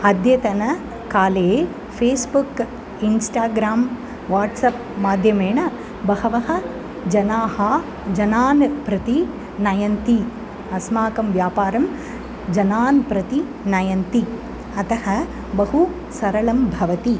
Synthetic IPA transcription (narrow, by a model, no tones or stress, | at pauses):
ɐd̪ʱjɐt̪ɐnɐ | kaːle | pʰeːsbuk | insʈaːɡɾaːm | ʋaːʈsɐp̚ | maːd̪ʱjɐmeːɳɐ | bɐhɐʋɐɦɐ̆ | d͡ʒɐnaːɦa | d͡ʒɐnaːnpɾɐt̪i | nɐjɐnt̪i | ɐsmaːkɐmʋjaːpaːɾɐm | d͡ʒɐnaːnpɾɐt̪i | nɐjɐnt̪i | ɐt̪ɐɦɐ | bɐɦu | sɐɾɐɭɐmbʱɐʋɐt̪i